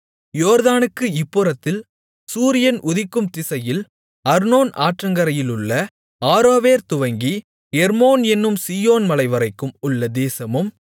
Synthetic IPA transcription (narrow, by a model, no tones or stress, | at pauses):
joːɾðaːnɯkːɯɪpːɯɾɐt̪ːɪl | suːɾɪjɐnʔʊðɪkːɯmt̪ɪsɐjɪl | ɐɾnoːnaːʈrɐŋɡɐɾɐjɪlɯɭːɐ | aːɾoːʋeːɾt̪ʊʋɐŋɡi | hɛɾmoːnɛnːɯmsiːjoːnmɐlɐɪʋɐɾɐɪkːɯmʊɭːɐd̪eːsɐmɯm